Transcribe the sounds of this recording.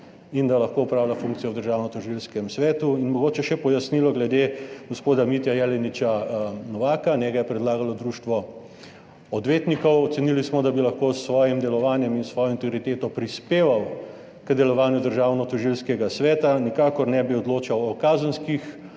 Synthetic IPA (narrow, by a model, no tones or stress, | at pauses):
ind̪alɐxkoːupɾawlafuŋk̚t̪sijɔwd̪əɾʒaːwnɔt̪ɔʒilskɛmsʋɛːt̪uinmɔɡoːt͡ʃɛʃɛpɔjasnilɔɡlɛd̪eɡospoːd̪amit̪jajɛlɛnit͡ʃanɔʋaːkanɛɡajɛpɾɛd̪laːɡalɔd̪ɾuːʃt̪ʋɔ | ɔd̪ʋeːt̪nikɔwɔt̪senilismɔd̪abilɐxkoːsːʋɔːjimd̪ɛlɔʋaːnjɛminsʋɔːjɔint̪ɛɡɾit̪eːt̪ɔpɾispeːʋaw | kəd̪ɛlɔʋaːnjud̪əɾʒaːwnɔt̪ɔʒilskɛɡasʋɛːt̪anikaːkɔɾnɛbiɔd̪loːt͡ʃawɔkazənskix